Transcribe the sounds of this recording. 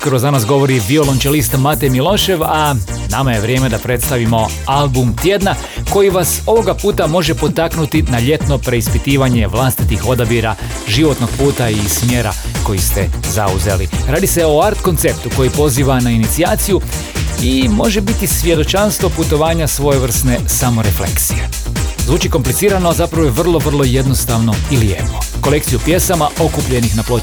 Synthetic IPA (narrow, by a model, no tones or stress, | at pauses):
kəɾozanasɡo̞ʋo̞ɾiʋio̞lont͡ʃelist̪mat̪emilˠo̞ːʃe̞ʋa | namaje̞ʋɾje̞ːme̞d̪apɾe̞t̪st̪aʋimo̞ | albumt̪je̞d̪na | ko̞jiʋaso̞ʋo̞ɡapuːt̪amo̞ʒe̞po̞t̪aknut̪inaʎe̞t̪no̞pɾe̞ispit̪iːʋaɲe̞ʋlˠast̪it̪ixo̞d̪abiɾa | ʒiʋo̞t̪no̞ɡ̚puːt̪aismje̞ːɾa̰ko̞jist̪ḛza̰uze̞̰lḭɾaːd̪ise̞o̞aɾt̪ko̞nt̪se̞p̚t̪uko̞jipo̞ziːʋanainit̪siaːt̪siju | imo̞ʒebit̪isʋje̞d̪o̞t͡ʃanst̪ʋo̞put̪o̞ʋaːɲasʋo̞jeʋr̩sne̞samo̞ɾeflḛksije̞ | zʋuːt͡ʃiko̞mplit̪siːɾanoazapɾaʋojeʋr̩lˠo̞ʋr̩lˠo̞je̞d̪no̞st̪aʋno̞ilijḛnoko̞le̞k̚t̪sijupje̞samaʔo̞kupʎe̞nixnaplˠo